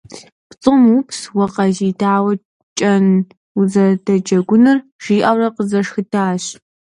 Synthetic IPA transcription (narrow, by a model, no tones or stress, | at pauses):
pt͡sʼɨmupʰswɔqɐʒiːdʰaːwɐ | t͡ʃʼɐn | uzɐrdɐd͡ʒɐɡʷʊnɨrʒ̥iːʔɐwrɐqəzɐʂxɨtʰaːɕ